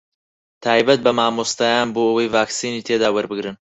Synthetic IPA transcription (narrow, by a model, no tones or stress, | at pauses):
t̪ʰaːbɐt̪̚bɐmaːmust̪ajaːnboːʔɐwɐjvaːksiːniːt̪ʰed̪aːwɐɾbɨɡɾɨn